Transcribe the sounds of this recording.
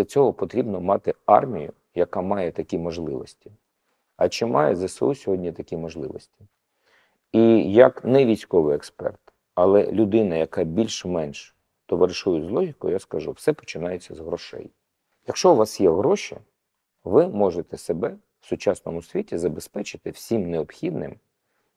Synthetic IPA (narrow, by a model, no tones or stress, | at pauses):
ɐt͡sʲɔɦɔpɔt̪ɾʲibnɔmɑt̪ɪɑ̰rmʲijʊ | jɐkɑmɑjɛt̪ɐkʲimɔʒlˠɪʋɔsʲtʲi̥ | ɐt͡ʃɪmʔɑjɛzʲɐsʲɔ̰usʲɔɦɔdʲnʲit̪ɐkʲimɔʒlˠɪʋɔ̰sʲtʲi̥ | ijɐknɛʋʲijsʲkɔʋɪɛkspɛ̰rt̪ | ɐlˠɛ̰lʲʊd̪ɪnɐjɐkɑbʲilʲʃmɛnʃ | t̪ɔʋeɾʃujʊzlˠɔɦʲikʊjjaskɐʒuwsɛpɔ̥t͡ʃɪnɑjet͡sʲːɐzɦɾɔʃɛ̰j | jɐkʃt͡ʃɔʊʋɑsjɛɦɾɔʃḭ | ʋɪmɔʒet̪ɛsebɛ | wsʊt͡ʃɑsnɔmʊsʲʋʲitʲizɐbespɛt͡ʃɪ̥t̪ɪwsʲimneɔpxʲid̪nɪ̰m